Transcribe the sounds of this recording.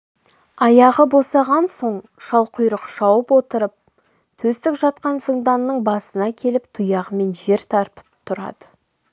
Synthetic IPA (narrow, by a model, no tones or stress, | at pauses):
ɑjɑʁəbo̞sɑʁɑnso̞ɴ | ʃɑlˠqʰʊjɾəqʃɑwəpwo̞t̪əɾəp̚ | t̪ʰɵzt̪ɪkʒɑt̪̚qɑnsəɴd̪ɑnːəɴbɑsənɑkʲʰe̞lɪpt̪ʰʊjɑʁəme̞nʒe̞ɾt̪ʰɑɾpə̥p̚t̪ʰʊɾɑ̰d̪̥ə